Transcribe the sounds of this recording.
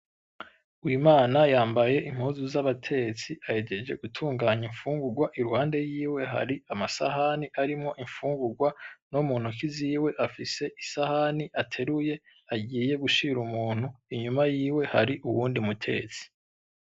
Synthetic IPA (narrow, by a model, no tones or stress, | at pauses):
ujumaːnajaːmbaje̞ʔim̥huːzuzaβatʰe̞t͡siahe̞ɟe̞d͡ʒe̞̰ɡutʰuːŋɡaːɲiɱfuːŋɡuɾɡwaʔiɾuhaːnde̞jiːwe̞ɦa̰ɾiamasa̰ɦaniʔaɾimŋo̞ʔiɱfuːŋɡuɾɡwanomuːn̥hukiziːwe̞ʔafise̞ʔisahaniʔatʰe̞ɾuje̞ | aɟiːje̞ɡuʃiɾumuːn̥huiɲumajiːwe̞ha̰ɾiʔuwuːndimutʰe̞̰t͡si̥